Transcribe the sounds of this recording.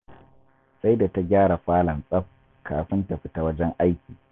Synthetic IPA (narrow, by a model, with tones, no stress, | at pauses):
sa˦jda˨ta˦ɡʲaː˦ɽa˨ɸaː˦lɐ˨nsʼɐ˦ɸ̚ | kʰaː˨ɸɪ˦nta˨ɸɪ˦ta˨wɐ˦d͡ʒɛ˦ŋʔa˦jkʲiː˨